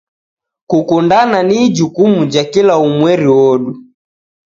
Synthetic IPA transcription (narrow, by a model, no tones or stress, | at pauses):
kukundananid͡ʒukumud͡ʒakilaumwɛɾiwɔɗu